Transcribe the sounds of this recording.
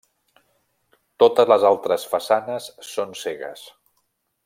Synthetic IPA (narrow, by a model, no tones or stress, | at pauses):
t̪ot̪əzləzalˠt̪ɾəsfəsanəsːonseɣə̰s